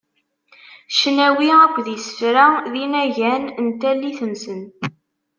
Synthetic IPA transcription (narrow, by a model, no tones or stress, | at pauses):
ʃnæwiækʷːðjəsə̥fɾæðinæʝænənt̪ælːiθənsən